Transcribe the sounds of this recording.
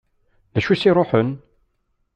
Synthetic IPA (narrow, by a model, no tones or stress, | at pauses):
ðæʃusiɾˤoħən